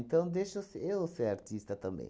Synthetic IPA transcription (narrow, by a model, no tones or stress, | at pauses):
nt̪ɐ̃w̃d̪ejʃosɪewseɾaɾt̪ist̪ɐt̪ɐ̃mbḛ̃j̃